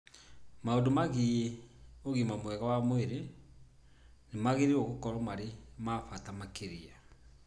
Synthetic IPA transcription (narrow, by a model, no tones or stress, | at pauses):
maodomaɣi | oɣimamowɛɣawamoeɾe | nemaɣeɾeoɣokɔɾɔmaɾemaːfatamakeɾia